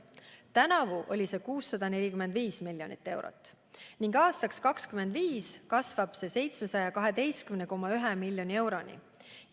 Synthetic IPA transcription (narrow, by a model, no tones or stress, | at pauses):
t̪ænɑvuʔo̞̰lʲise̞kuːsːɑd̪̥ɑne̞lʲikyme̞nd̪viːsmilʲjo̞̰nit̪ːe̞wɾo̰t̪ːˑ | niŋɡɑːst̪ɑkskɑkskyme̞nd̪viːskɑsvɑb̥se̞se̞jt̪sme̞sɑjɑkɑɦe̞d̪e̞jst̪kymneko̞mɑyɦemilʲjo̞nʲie̞wɾo̞nḭ